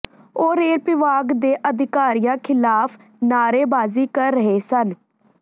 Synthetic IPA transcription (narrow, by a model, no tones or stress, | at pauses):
oːɾeːɾpɪʋaːɡd̪eːʔəd̪ɪkaːɾɪjãːkʰɪlaːpʰ | naːɾeːbaːziːkəɾːəɦeːsən